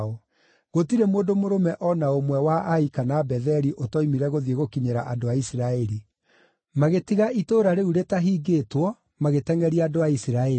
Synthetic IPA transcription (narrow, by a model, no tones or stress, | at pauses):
ɔ | ɣotiɾemoːdomoɾomɛʔɔnaomwɛwaʔaikanabɛðɛɾiʔotɔimiɾɛɣoðieɣokiɲeɾa̰ʔadoaisiɾaɛɾi | maɣetiɣaʔitoːɾaɾeuɾetaɦiːɡeːtwɔ | maɣetɛŋɛɾiaːdoaisiɾaɛ